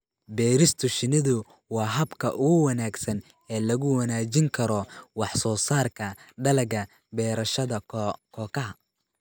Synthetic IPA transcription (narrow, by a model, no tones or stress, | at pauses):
bɛːɾɪst̪ʰʊʃɪnɪðʊ | wɑːɦɐbkʰɐʔʊɣʊwɐnaːɡsɐn | ɛːlɐɣʊwɐnaːt͡ʃɪŋkʰɐɾɔwɑħsɔːsaːrkʰɐɖɐlɐɡɐ | bɛːɾɐʃɐðɐkʰɔːkʰɐɦɐ